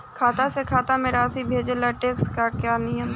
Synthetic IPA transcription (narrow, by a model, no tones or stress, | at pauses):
kʰaːt̪asekʰaːt̪amẽɾaːsibʱeːd͡ʒelaʈeːkskakjaːnɪjəm